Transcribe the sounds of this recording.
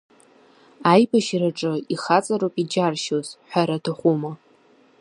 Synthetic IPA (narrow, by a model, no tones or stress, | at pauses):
ajbaʃraʈ͡ʂʼɨiχat͡sʼaɾopʼid͡ʒarʃozħʷaɾatʰɨχʷuma